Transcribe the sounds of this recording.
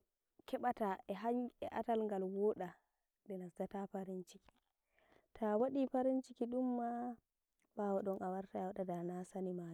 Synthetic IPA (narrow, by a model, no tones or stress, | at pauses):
kɛɓataʔɛɦaɲɛʔatalŋɡalwɔːɗa | ɗɛnadatapaɾint͡ʃiki̥ | tʰawaɗipaɾint͡ʃikiɗumːa | bawɔɗɔnʔawaɾtaawɗadanasanima